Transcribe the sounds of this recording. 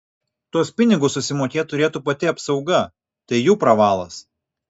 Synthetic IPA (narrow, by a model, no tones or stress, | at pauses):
t̪uɔspʲɪnʲɪɡʊsːʊsʲɪmoːkʲeːt̪ʊɾʲeːt̪uːpɐt̪ʲɪɐpsɒʊɡɐ | t̪ɐɪjuːpɾɐʋɑːlˠɐs